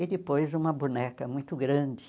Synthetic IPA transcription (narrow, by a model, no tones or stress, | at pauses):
ɪd̪ɪpojzũmɐbunɛkɐmũj̃t̪ʊɡɾɐ̃d͡ʒɪ